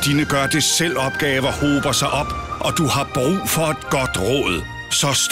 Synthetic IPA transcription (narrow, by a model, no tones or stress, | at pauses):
d̥iːnəɡ̥ɶɐd̥esel̰ɒ̽b̥̚ɡ̥ɛːʋɐho̝ːb̥ɐsɑ̈ɪʔɒ̽b̥ʔɒ̽d̥uhɑ̈b̥ʁṵːfɒ̽e̝d̥ɡ̥ɒd̥ʁɔ̰ːð̞̩ˠ | sɒ̽s